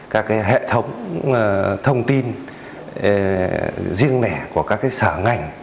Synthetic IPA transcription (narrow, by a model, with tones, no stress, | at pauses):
kaː˦˥kːaː˨˦jɦḛ˧˨t̪ʰə˨˦wŋ͡m | t̪ʰə˧wŋ͡mt̪i˧n˨ | zi˧əŋnɛ˧˩ku˧˩əkaː˦˥kːaː˨˦jsəː˧˩ŋa˧˩jŋ̟